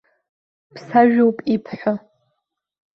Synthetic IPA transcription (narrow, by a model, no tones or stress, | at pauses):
pʰsaʒᶣowpʼipʰħʷʊ